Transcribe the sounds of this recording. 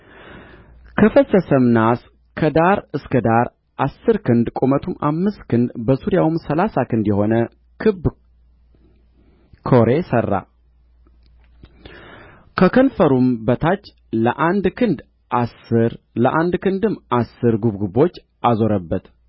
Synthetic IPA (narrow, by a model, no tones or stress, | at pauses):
kʰəfəsəsəmnas | kʰəd̪aɾɨskʰəd̪aɾ | ʔasːɨɾkʰɨnd̪kʼomət̪ʰumʔamːɨst̪kʰɨnd̪bəsuɾjawumsəlasakɨnd̪jɛho̞nə | kʰɨb | kʰo̞ɾe̞sərːa̰ | kʰəkʰənfəɾumbət̪ʰat͡ʃː | ləʔand̪kʰɨnd̪ | ʔasːɨɾ | ləʔand̪kʰɨnd̪ɨmːasːɨɾɡuβɡubo̞t͡ʃː | ʔazo̞ɾəbːət̪